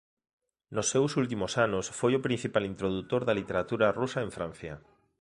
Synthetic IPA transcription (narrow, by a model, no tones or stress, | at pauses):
nosːewsult̪̬imosanʊsfojopɾin̟θipalint̪ɾoðut̪oɾðɐlit̪eɾat̪uɾɐrusaeɱfɾãn̟θjɐ